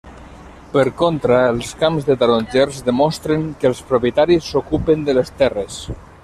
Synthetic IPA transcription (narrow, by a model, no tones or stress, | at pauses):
pəɾkont̪ɾaːlˠskamzðət̪aɾonʲd͡ʒɛrzðəmɔst̪ɾeŋkəlˠspɾopjət̪aɾisːokupend̪ələst̪ɛres